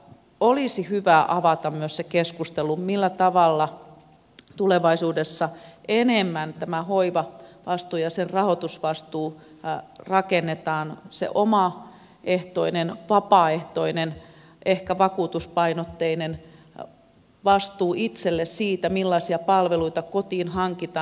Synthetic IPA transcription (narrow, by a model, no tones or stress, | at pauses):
olisihyʋæʔɑʋɑt̪ɑmmyøssekeskust̪elumilːæt̪ɑʋɑlːɑ | t̪uleʋɑisuːdesːɑenemːænt̪æmæhoiʋɑʋɑst̪uːjɑsenrɑhot̪usʋɑst̪uː | rɑkenːet̪ɑːnsḛʔomɑ | ʔeht̪oinenʋɑpɑːeht̪oinen | ʔehkæʋɑkuːt̪uspɑinot̪ːeinen | ʋɑst̪uːʔit̪selːessiːt̪æmilːɑisiɑpɑlʋeluit̪ɑkot̪iːnhɑŋkit̪ɑː